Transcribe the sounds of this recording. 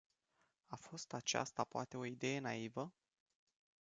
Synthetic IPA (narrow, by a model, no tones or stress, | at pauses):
afo̞st̪at͡ʃa̰st̪apoat̪e̞o̞id̪e̞je̞naivə